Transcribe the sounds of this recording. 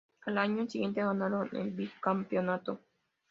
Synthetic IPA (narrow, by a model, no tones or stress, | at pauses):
alaɲõnt͡ʃiɣent̪eβanalonḛ̃bikampjonat̪o